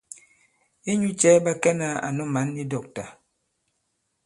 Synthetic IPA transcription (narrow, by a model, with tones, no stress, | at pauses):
e˦ɲu˦t͡ʃɛ˨˦ba˦kɛ˦na˦a̰˨nɔ˦ma˨˦nːi˦dɔ˨k̚ta˨